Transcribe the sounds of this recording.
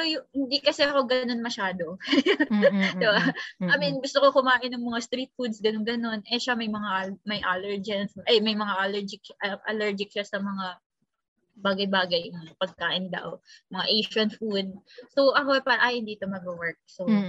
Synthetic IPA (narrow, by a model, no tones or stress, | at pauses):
ɛsojʊŋhɪnd̪ikɐsɛʔɐko̞ɡɐno̞nmɐʃaːd̪o̞ | d̪ɪbaʔɐminɡʊst̪oko̞kʊmaːʔɪnːɐŋmɐŋast̪ɾiːt̪̚fud̪̚sɡɐnɡɐno̞nʔɛʃamɐjmɐŋaʔmɐjʔalɛɹd͡ʒɛnsʔɐjmɐjmɐŋaʔɐlɛɹd͡ʒɪkɐʔɐ̰lɛɹd͡ʒɪk̚ʃasɐmɐŋa | baːɡɐjbaːɡɐjmpɐɡ̚kaːʔɪnd̪ɐ̰wmɐŋaʔejʃɐnfud̪̚sowʔɐko̞ɛpaːɾɐʔajhɪnd̪iːt̪omɐɡowɛɹk̚so